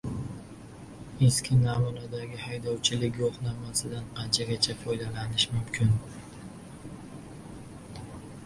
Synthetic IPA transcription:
e̞skʲʰɪnamunad̪aɡʲɪhajd̪ɒwt͡ʃʰɪlɪk̬ʲjoqnamasɪd̪anqʰɑnt͡ʃʰaɡʲat͡ʃʰafɒjd̪alanɪʃmʊmkʲʰɪn

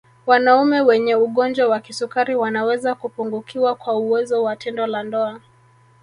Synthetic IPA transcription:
wanaumɛwɛɲɛuɠɔnd͡ʒwawakisukaɾiwanawɛzakupuŋɡukʰiwakwauwɛzɔwatʰɛndɔlandɔa

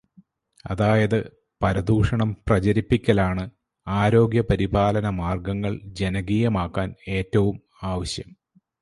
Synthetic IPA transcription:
ɐ̰ðaːjɐðɨ | pɐɾɐd̪uːʂɐɳɐmprɐt͡ɕɐɾipːikʲːɐlaːɳɨ | aːɾo̞ːɡjɐpɐɾibaːlɐnɐmaːrɡɐŋːɐɭd͡ʑe̞nɐɡiːjɐmaːkːaːne̞ːtːɐʋum | aːʋɐɕjɐm

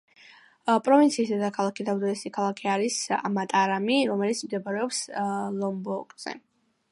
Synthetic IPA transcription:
pʼɾɔvint̪sʰiːsd̪ɛd̪akʰalˠakid̪avd̪ɔɛsikʰalˠakʰiaɾisa̰mat̪ʼaɾamiɾɔmɛlit̪sʰmd̪ɛbaɾɛɔpslˠɔmbɔkʼz̥ɛ̰

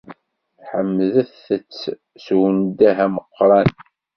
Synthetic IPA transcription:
ħəmːðæθət͡sː | swənd̪æɦæməqːɾˤɑn

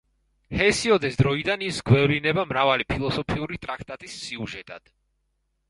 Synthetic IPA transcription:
hɛsiɔd̪ɛsd̪ɾɔid̪anisɡwɛvlinɛbamɾavalipʰilˠɔsɔpʰiuɾit̪ʼɾak̚ʰt̪ʼat̪ʼisːiuʒɛt̪ʼa̰d̪̥

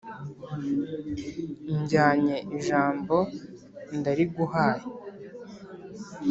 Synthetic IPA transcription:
ɲɟaːɲeʔiʒaːmbo̞ | ndaɾiɡuhaːje

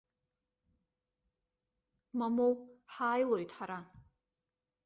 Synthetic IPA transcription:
mamowħaːjlojtʰʼħaɾa

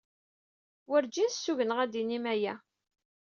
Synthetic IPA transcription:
wəɾd͡ʒisːuʝənəʁæd̪inimæjæ

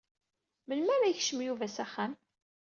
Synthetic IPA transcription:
məlmæɾæjçʃəmjuvæsæχːæm

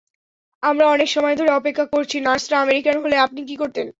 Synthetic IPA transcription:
amɾaɔnekʃɔmɔed̪ʱoɾeɔpekʰːakoɾt͡ɕʰinasɾaameɾikanɦoleap̚nikikoɾt̪en

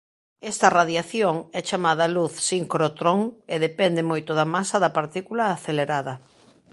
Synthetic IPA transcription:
ɛst̪ɐraðjaθjoŋɛt͡ʃamaðɐluθsiŋkɾot̪ɾoŋeðepɛnd̪emojt̪oðɐmasɐðɐpaɾt̪ikulaːθeleɾaðɐ

